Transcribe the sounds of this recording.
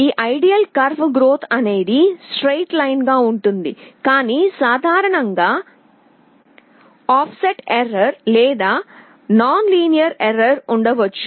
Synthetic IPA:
iːʔɐjɖijɐlkɐɾʋɡɾoːt̪ʰɐneːd̪isʈɾejʈlɐjnɡaːuɳʈund̪ḭkaːnisaːd̪ʱaːɾɐɳɐŋɡaː | aːfseʈeɾːɐɾleːd̪aː | naːnliːnijɐɾeɾːɐɾuɳɖɐʋɐt͡ʃːu̥

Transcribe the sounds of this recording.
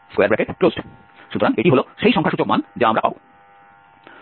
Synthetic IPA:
skoaɾbɛkeʈklosʈ | ʃut̪oɾaŋeʈiɦoloʃejʃɔŋkʰaʃud͡ʑokma̰nd͡ʑaamɾapa̰bo

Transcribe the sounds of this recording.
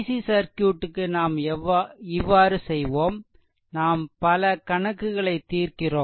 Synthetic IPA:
sisɐɾkjuːʈːɯkːɯnaːm | ɪʋːaːɾɯsɛjʋoːm | naːmpɐlɐkɐɳɐkːɯɣɐɭɐɪt̪ːiːrkɪroː

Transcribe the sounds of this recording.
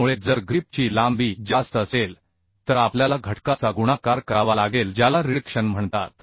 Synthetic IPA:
uɭed͡zəɾɡɾip̚t͡ɕiːlãmbiːd͡zast̪əsel | t̪əɾapljalaɡʱəʈkat͡saɡuɽ̃akaɾkəɾaʋalaɡeld͡ʑjalaɾiɽəkʂənm̤əɳt̪a̰t̪̚

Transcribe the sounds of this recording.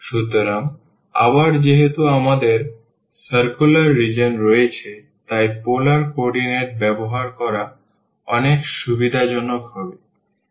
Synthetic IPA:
ʃut̪oɾam | a̰baɾd͡ʑeɦet̪uamad̪eɾ | səɾkulaɾːid͡ʑonɾɔjet͡ɕʰe | t̪ajpolaɾkoɾɖineɾʈ̚bɛboɦaɾkɔɾa | ɔnekʃubid̪ʱad͡ʑɔnːokɦɔbe

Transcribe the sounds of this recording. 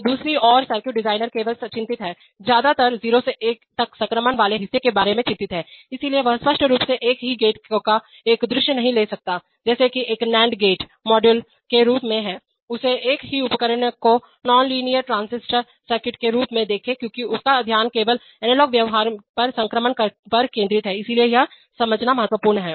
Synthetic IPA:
d̪uːsɾiʔɔːɾsəɾkɪʈɖɪzaːɪnəɾkeːʋəlt͡ʃɪ̃nt̪ɪt̪ɦɛː | zjaːd̪at̪ɐɾziːɾoseʔeːk̚t̪ɐksɐ̃ŋkɾəmənʋaːleɦɪsːekebaːɾemẽt͡ʃɪ̃nt̪ɪt̪ɦɛːɪsilieʋɐɦəspəʃʈʰəɾuːpseʔeːkɦiɡeːʈka | eːkd̪ɾɪʃjənɐɦĩleːsɐk̚t̪aː | d͡ʒɛːsekieːknɛ̃ːɳɖɡeːʈ | mɔːɖjʊl | keɾuːpmẽɦɛː | ʊseeːkɦiʊpəkəɾənəko | nɔːnliːnijəɾʈɾãːnsɪsʈəɾ | səɾkɪʈkeɾuːpmẽd̪eːkʰẽkjõːkiʊskaɐd̪ʱjaːnkeːʋəl | ɛːnelɔːkʋjɐʋɦaːɾpɐɾsɐ̃ŋkɾəmənkəpɐɾkẽːnd̪ɾɪt̪ɦɛɪsilieja | sɐməd͡ʒnamɐɦət̪ʋəpuːɾɳɦɛː

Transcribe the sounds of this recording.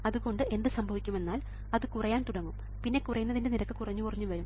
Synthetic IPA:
ɐðuɣo̞ɳɖɨe̞nd̪ɨsɐmbʱɐʋikʲːume̞nːaːl | ɐðɨkurɐjaːnt̪uɽɐŋːum | pinːe̞kurɐjunːɐðinde̞niɾɐkːɨkurɐɲːukurɐɲːuʋɐɾum

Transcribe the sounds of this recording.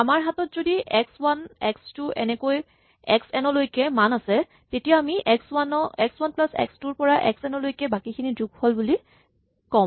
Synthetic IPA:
amaɹɦatɔtzodiɛkswanɛkstʊʔɛ̰nɛkoj | ɛ̰ksɛnɔlojkɛmanasɛ | tetijaamiʔɛkswanɔɛkswanplasɛ̰kstuɹpɔɹaʔɛ̰ksɛnɔlojkɛbakikʰiniduɡholbuli | kɔm

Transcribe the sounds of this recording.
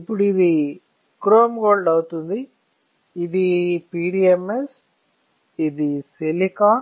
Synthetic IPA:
ipːuɽuiði | kɾoːmɡoːlɖɐʋɯt̪und̪i | iðipiːɽiɛmes | id̪iselikaː

